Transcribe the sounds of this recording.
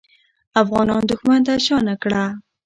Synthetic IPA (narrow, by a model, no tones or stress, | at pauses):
afɣɑnɑnd̪ʊxmant̪aʃɑnakɽa